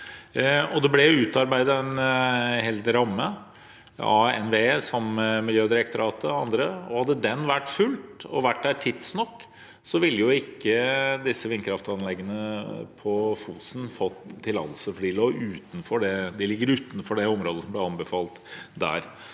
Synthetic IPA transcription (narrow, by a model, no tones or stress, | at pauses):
ɔd̪ɛblɛʉːt̪ɑɾbæɪd̪əɛnhɛld̪ɾɑmːə | ɑɛ̰nʋeːsɑmːəmɪljøːd̪ɪɾɛk̚t̪ɔɾɑːt̪ʰəɑnd̪ɾəɔ̰hɑd̪ːəd̪ɛnːʋæʈːfʉlt̪ɔ̰ʋæʈ̚ːd̪æʈʰɪt̪snɔkː | sɔʋɪlːəjʊɪkːəd̪ɪsːəʋɪnkʰɾɑft̪ɑnlɛɡːənəpʰɔfuːsn̩fɔt̪ʰːɪlɑ̰lsɔfɔɖiːloːʉːt̪n̩fɔɖɛd̪ɛlɪɡːəɾʉːt̪nfɔɖɛɔmɾoːd̪əsɔmblɛɑnbəfɑːlt̪d̪æ̰ːɾ